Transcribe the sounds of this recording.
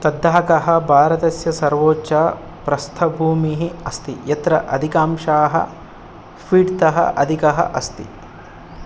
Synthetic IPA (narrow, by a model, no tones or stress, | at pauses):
t̪ɐd̪ʱːaːkɐɦɐbʱaːɾɐt̪ɐsjɐsɐɾʋoːt͡ʃaː | pɾɐst̪ʰɐbʱuːmiɦiɐst̪ijɐt̪ɾɐʔɐ̰d̪ʱikaːmʃaːɦɐ̰ | fiːɖt̪ɐɦɐ̰ʔɐ̰d̪ʱikɐɦɐ̰ʔɐst̪ḭ